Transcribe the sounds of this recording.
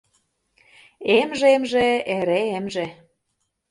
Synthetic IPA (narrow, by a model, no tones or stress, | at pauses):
emʒemʒeeɾeemʒe